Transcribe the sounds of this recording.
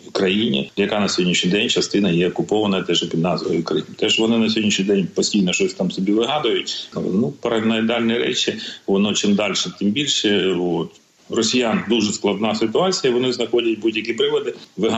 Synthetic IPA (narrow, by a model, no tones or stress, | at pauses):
kɾɐjinʲḭjɐkɑnɐsʲɔɦɔdʲnʲiʃʲnʲijd̪ɛnʲt͡ʃɐst̪ɪnɐjɛɔkʊpɔʋɐnɐt̪ɛʒpʲid̪nɑzʋɔ̰jikɾɐɪmt̪ɛʒʋɔnɪnɐsʲɔɦɔdʲniʃʲnʲijd̪ɛnʲpɔsʲtʲijnɔʃt͡ʃɔsʲt̪ɑmsɔbʲiʋɪɦɑd̪ʊjʊtʲnupɐɾɐnɐjd̪ɑlʲniɾɛ̰t͡ʃɪʋɔnɔt͡ʃɪmd̪ɑlʲʃɛt̪ɪmbʲilʲʃɛot̪ | rɔsʲijɑnd̪uʒɛsklˠɐd̪nɑsɪt̪ʊɑt͡sʲijɐiʋɔnɪznɐxɔdʲɐt̚ʲbudʲjɐkʲipɾɪʋɔd̪ɪʋɪɦ